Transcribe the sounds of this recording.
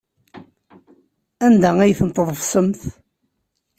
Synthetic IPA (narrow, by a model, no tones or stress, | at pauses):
ænd̪ææjθənt̪ˤːəðˤəvsəmθ